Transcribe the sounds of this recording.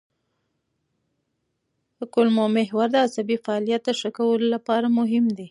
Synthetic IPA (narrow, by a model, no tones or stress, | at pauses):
kʊlmomɪɦwaɾd̪əasabifaɑlijat̪̚d̪əʂəkawəlolapɑɾamʊɦɪmd̪e